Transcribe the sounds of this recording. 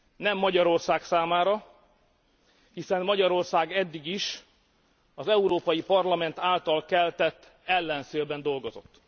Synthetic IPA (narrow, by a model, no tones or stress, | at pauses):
nɛmːɒɟɒɾo̞rsaːksaːmaːɾɒ | hisɛnːɒɟɒɾo̞rsaːɡɛd̪ːiɡiʃ | ɒzɛuɾoːpɒjipɒrlɒmɛnt̪aːlt̪ɒlkɛlt̪ɛt̪ː | ɛlːɛnseːlbɛnd̪o̞lɡo̞zo̞t̪ː